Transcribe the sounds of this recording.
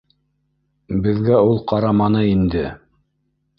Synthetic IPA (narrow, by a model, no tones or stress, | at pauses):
bɘ̆ðɡæulˠqɑɾɑmɑnɤind̪ɘ